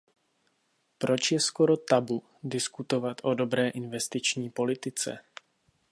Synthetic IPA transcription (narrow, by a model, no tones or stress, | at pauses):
pɾo̞t͡ʃjɛsko̞ɾo̞t̪abu | dɪskut̪o̞vat̪ʔo̞do̞bɾɛːʔɪnvɛst̪ɪt͡ʃɲiːpo̞lɪt̪ɪt͡sɛ̰